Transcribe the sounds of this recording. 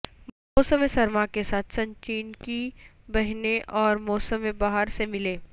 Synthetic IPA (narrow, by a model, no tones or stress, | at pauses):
moːsəmẽsɐɾmakesaːt̪ʰsɐ̃ɲt͡ʃiːnkibɐɦneʔɔːɾmɔːsəmẽbaːɦəɾsemɪleː